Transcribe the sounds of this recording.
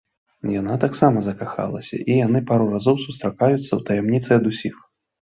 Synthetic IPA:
janat̪aksamɐzɐkaxa̰lˠɐ̰sʲɐ̰ʔijanɨpaɾurazɔwsust̪ɾakajut̪sːɐwt̪ɐjɛmnʲit̪sɨɐd̪usʲix

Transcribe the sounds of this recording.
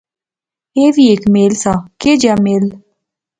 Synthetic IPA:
eʋiekmeːlsaked͡ʒameːl

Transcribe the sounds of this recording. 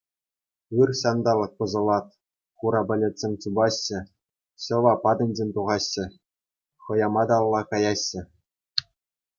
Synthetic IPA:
ɯrɕɑnd̪ɑlˠɤ̆k̚pɤ̆zɤ̆lˠɑt̪̚ | χuɾɑbʲɘ̆lʲĕtʲsʲemʲt͡ɕubɑɕːɘ̆ | ɕɤ̆ʋɑpɑd̪ɤ̆nʲd͡ʑʲenʲt̪uʁɑɕːɘ̆ | χɤ̆jɑmɑd̪ɑlˠːɑkɑjɑɕːɘ̆

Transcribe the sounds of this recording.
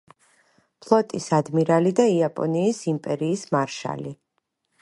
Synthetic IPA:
pʰlˠɔt̪ʼisad̪miɾalid̪aiapʼɔ̰niːsimpʼɛɾiːsmaɾʃa̰li

